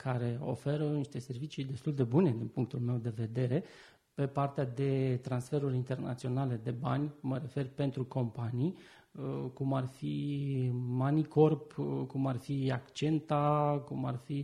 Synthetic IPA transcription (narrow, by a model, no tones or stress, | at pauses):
kʰaɾe̞o̞̰fe̞ɾəniʃt̪e̞se̞rvit͡ʃid̪e̞st̪uld̪e̞bune̞d̪inpuŋk̚t̪ulme̞wd̪e̞ve̞d̪e̞ɾe̞ | pe̞part̪ead̪e̞t̪ɾansfe̞ɾuɾʲint̪e̞rna̰t̪sio̞nale̞d̪e̞ba̰nʲməɾe̞fe̞rpe̞nt̪ɾuko̞mpanij | kumarfi | maniko̞rpkumarfiakt͡ʃe̞nt̪akuma̰rfi